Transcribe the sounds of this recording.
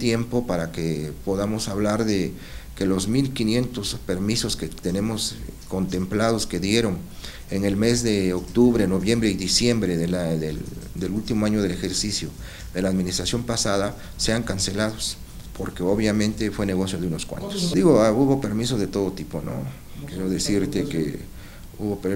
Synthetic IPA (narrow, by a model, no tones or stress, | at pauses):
t̪je̞mpo̞paɾakepo̞ðamo̞saβlaɾðe̞ | ke̞lo̞zmilkinje̞nt̪o̞spe̞ɾmiso̞sket̪e̞ne̞mo̞s | ko̞nt̪e̞mplaðo̞ske̞ðje̞ɾo̞ŋ | eŋe̞lme̞zðe̞okt̪uβɾe̞no̞βjembɾeiðisje̞mbɾeðelaðeld̪elult̪imoaɲoð̞e̞le̞xe̞ɾsisjo | ðe̞laːðminist̪ɾasjo̞mpasaða | se̞aŋkanse̞laðo̞s | pʰoɾke̞oβjamẽ̞nt̪e̞fwe̞ne̞ɣo̞sjoðeuno̞skwa̰nt̪o̥sd̪iɣoauβo̞pe̞ɾmiso̞zðet̪o̞ðo̞t̪ipo̞no̞̰ | kjeɾoðe̞siɾt̪e̞kḛ | uβop